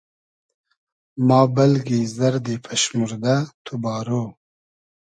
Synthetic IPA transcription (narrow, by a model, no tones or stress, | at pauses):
mɑːbalɡizɐɾd̪epʰaʃmuɾd̪at̪ʰubɑːɾo